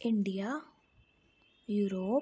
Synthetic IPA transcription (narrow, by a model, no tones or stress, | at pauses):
iɳɖija | juɾoː